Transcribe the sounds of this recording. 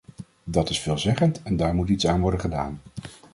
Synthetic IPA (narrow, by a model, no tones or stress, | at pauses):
dɑtɪsfɪːlˠzɛχəntɛndaːɹmutitsaːnʋɔɹdənχəda̰ːn